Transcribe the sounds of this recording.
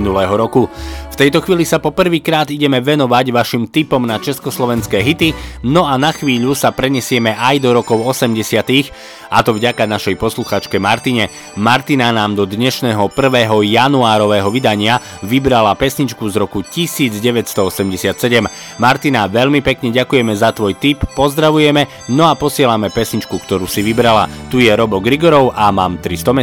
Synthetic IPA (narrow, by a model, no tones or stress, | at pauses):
nulɛːɦɔɾɔkuft̪ɛjt̪ɔxʋiːlisapɔpr̩ʋiːkɾaːd̪iɟɛmɛʋɛnɔʋaɟʋaʃimt̪ipɔmnat͡ʃɛskɔslɔʋɛnskɛːɦit̪inɔanaxʋiːʎusapɾɛɲɛsɪɛmɛʔajd̪ɔɾɔkɔʊɔsɛmɟɛsɪat̪ix | at̪ɔvɟakanaʃɛjpɔsluxaːt͡ʃkɛmaɾt̪iɲɛ | maɾt̪inanaːmd̪ɔd̪ɲɛʃnɛːɦɔpr̩ʋɛːɦɔjanuaːɾɔʋɛːɦɔʋid̪aɲɪa | ʋibɾalapɛsɲit͡ʃkuzɾɔkucisiːd͡zɟɛʋɛtst̪ɔɔsɛmɟɛsɪat̪sɛɟɛm | maɾt̪inaʋɛʎmipɛkɲɛɟakujɛmɛzat̪ʋɔjt̪ipːɔzd̪ɾaʋujɛmɛ | nɔapɔsɪɛlamɛpɛsɲit͡ʃkukt̪ɔɾuːsiʋibɾala̰t̪ujɛɾɔbɔɡɾiɡɔɾɔʊʔamaːmt̪ɾist̪ɔmɛ